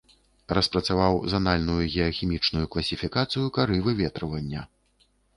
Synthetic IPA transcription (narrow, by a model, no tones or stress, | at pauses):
rɐspɾɐt̪savawzanalʲnujuɣʲɛɐxʲimʲit͡ʂnujuklˠɐsʲifʲikat̪sɨjukaɾɨvɨvʲɛt̪ɾɐvɐnʲːɐ